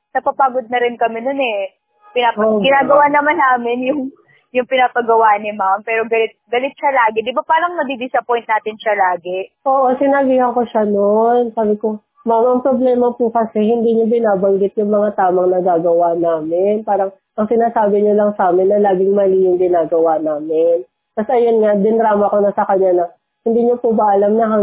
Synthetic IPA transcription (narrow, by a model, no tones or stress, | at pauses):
nɐpapaːɡod̪̚nɐɾɪnkɐmɛno̞nɛ | pɪnaːɐoɡɪnaːɡɐwaːnɐmanːaːmɪnjʊŋ | jʊŋpɪnaːpɐɡɐwaːnɪmampɛːɾoɡɐlɪt̪̚ɡɐlɪt̪̚ʃɐlaːɡɪd̪ɪbapaːɾɐŋnɐb̪ib̪isɐpojnt̪naːt̪ɪnʃɐlaːɡɛʔoːʔo̞sɪnɐɡihɐŋko̞ʃano̞nsaːbɪko̞ | mamʔɐŋpɾoblɛːmɐpukɐsɛhɪnd̪iːɲobɪnaːbɐŋɡɪt̪̚jʊŋmɐŋat̪aːmɐŋnɐɡaːɡɐwanaːmɪnpaːɾɐŋ | ʔɐŋsɪnaːsaːbɪɲolɐŋsaːmɪnːɐlaːɡɪŋmɐlijʊŋɡɪnaːɡɐwanaːmɪn | t̪ɐsʔɐjonŋad̪ɪnd̪ɾaːmɐko̞nɐsɐkɐɲanɐ | hɪnd̪iːɲopubɐʔɐlamnɐɦɐ